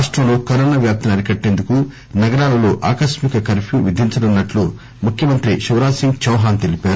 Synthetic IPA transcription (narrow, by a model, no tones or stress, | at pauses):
ʂʈɾɐmlo̞ːkɐɾoːnaːʋjaːp̚t̪ʰɐnɐɾikɐʈːeːnd̪uku | nɐɡɐɾaːlɐloːʔa̰ːkɐʃmikɐkɐɾpʰjuːʋid̪ʱiɲt͡ʃɐlunːɐʈlu | mukʰjɐmɐnt̪ɾiʃuʋɾaːsiŋɡt͡ʃɐwɦaːnt̪elipaːɾu